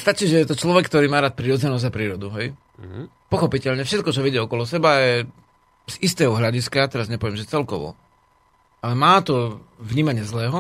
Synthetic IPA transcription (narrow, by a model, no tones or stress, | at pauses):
st̪at͡ʃiːʒɛjɛt̪ɔt͡ʃlɔʋɛkːt̪ɔɾiːmaːɾaːt̪̚pɾiːɾɔd͡zɛnɔzapɾiːɾɔd̪uɦɛj | pɔxɔpicɛʎɲɛfʃɛt̪̚kɔt͡ʃɔʋiɟɪɛɔkɔlɔsɛbajɛ | z̥ist̪ɛːɦɔɦʎaɟiskajat̪ɛɾazɲɛpɔʋɪɛmʒɛt͡sɛlkɔʋɔ̰ | alɛmaːt̪ɔvɲiːmaɲɪɛzlɛːɦɔ